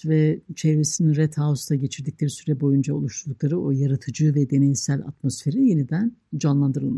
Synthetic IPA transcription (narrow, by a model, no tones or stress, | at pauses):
vɛt͡ʃʰevɾesinnɾɛt̪ʰhaost̪aɟe̞t͡ʃʰiɾd̪ic̚lʲe̞ɾisyɾɛbo̞jund͡ʒaolˠuʃlˠulˠuklˠaɾɯo̞jaɾat̪ʰɯd͡ʒɯːvɛd̪e̞nejisælʲa̰t̪mo̞sfe̞ɾije̞nid̪ænd͡ʒanlˠand̪ɯɾɯlˠma